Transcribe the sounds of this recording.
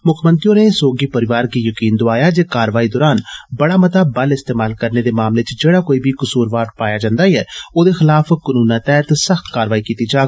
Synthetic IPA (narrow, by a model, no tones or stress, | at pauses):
mʊkʰmə̃nt̪ɾijõːnesoːɡiːpəɾɪʋaːɾkiːjəkiːnd̪oaːjaːd͡ʒeːkaːɾʋaːiːd̪ɔːɾaːnbəɽaːmət̪abəlɪst̪eːmaːlkəɾneːd̪eːmaːmlet͡ʃd͡ʒeːɽaːkoːiːbʱiːkʊsuːɾʋaːɖpaːjad͡ʒãːnd̪aːiɦɛːoːd̪eːxɪlaːfkənuːnãːt̪ɛːɦt̪səxt̪kaːɾəʋaːikiːt̪id͡ʒaːɡ